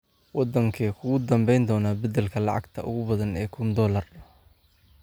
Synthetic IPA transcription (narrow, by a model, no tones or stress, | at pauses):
wɑd̪ɐŋkʰɐːkʰʊɣʊd̪ɐmbɛjnd̪ɔːnaːbɐd̪ɛlkʰɐlɑʕɑ̰ɡt̪ʰɐʔʊ̰ɣʊbɐðɐnɛːkʰʊnd̪ɔːlɐr